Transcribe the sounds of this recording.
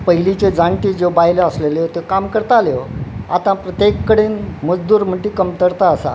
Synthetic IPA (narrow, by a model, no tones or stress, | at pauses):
pəɦilit͡ɕed͡zaɳʈiːd͡zobajləəslelot̪ekamkəɾt̪aljoat̪ãpɾət̪jekːəɽenməd͡zd̪uːɾm̤əɳʈikəmt̪əɾt̪aːsa̰